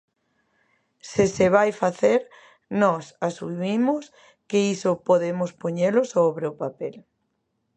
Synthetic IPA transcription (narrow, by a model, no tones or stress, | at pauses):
seseβ̞ajfaθeɾ | nɔsasuβimos | keisopoðemospoɲelosoβɾeopapel